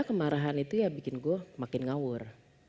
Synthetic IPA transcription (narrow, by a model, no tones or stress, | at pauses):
akəmaɾaɦanit̪ujabikɪnɡuamakɪnŋawʊr